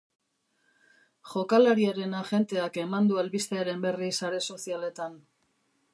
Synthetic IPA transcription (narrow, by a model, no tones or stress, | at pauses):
ʝo̞kalaɾiaɾe̞naʝe̞nt̪e̞ake̞mand̪uelβist̪e̞aɾe̞mbe̞risaɾe̞so̞siale̞t̪an